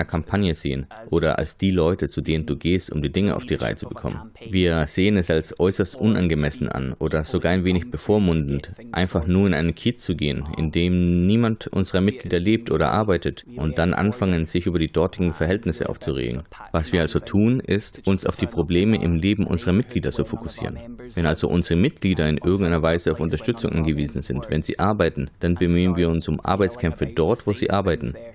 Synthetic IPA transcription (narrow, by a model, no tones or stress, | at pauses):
ɐkʰampʰanjəz̥ḛːənʔoːɾɐʔa̰lsd̥iːlɔʏtət͡sudeːnənduːɡeːstʊ̰mdiːdɪŋəʔa̰ʊfd̥iːʁa̰ɪət͡sub̥əkʰɔ̰mə̰nviːɐz̥eːənɛsalsʔɔʏsɐstʔʊnʔa̰nɡəmɛsn̩a̰nʔoːdɐz̥oɡaːɐaɪnveːnɪçb̥əfoːɐmʊndn̩tʔa̰ɪnfaχnuːɐɪnʔa̰ɪnənkʰiːtt͡suɡeːənʔɪ̰ndeːmniːmantʔʊ̰nzəʁɐmɪt̚ɡ̥liːdɐleːp̚tʔoːɾɐ̰ʔa̰ɐbaɪtətʔʊnt̚d̥anʔa̰nfaŋənz̥ɪçʔyːbɐdiːdɔɐtɪɡŋ̩fɛɐɦɛltnɪsə̰ʔa̰ʊft͡suʁḛːɡŋ̩vasv̥iːɐalzotʰuːnʔɪstʔʊnsa̰ʊfd̥iːpʁ̥obleːməʔɪ̰mleːbm̩ʔʊ̰nzəʁɐmɪt̚ɡ̥liːdɐt͡sufokʊ̥sḭːʁənvɛnʔalzo̰ʔʊnzəʁəmɪt̚ɡ̥liːdɐɪnʔɪɐɡŋ̩taɪnɐvaɪzəaʊfʊntɐʃtʏt͡sʊŋʔa̰nɡəviːzn̩zɪntvɛ̰nzḭːʔaɐbaɪtn̩d̥anbəmyːənviːɐʊnsʊmʔa̰ɐbaɪt͡skʰɛmfədɔɐtv̥oːzḭːʔaɐbaɪtn̩